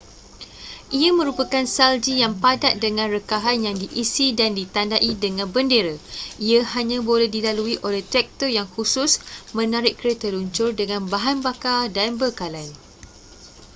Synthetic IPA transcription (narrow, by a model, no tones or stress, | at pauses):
ʔiamə̃ɾupakansald͡ʒijaŋpadaʔ̚dəŋãnrəkaɦanjaŋdiʔisidandit̪andaʔidəŋãnbəndeɾaʔiahaɲãbolɛhdilaluiʔolɛht̪ɾɛk̚t̪əjaŋhusʊsmə̃naɾɪʔkəɾet̪əluɲt͡ʃʊrdəŋãnbaɦanbakadanbəkalan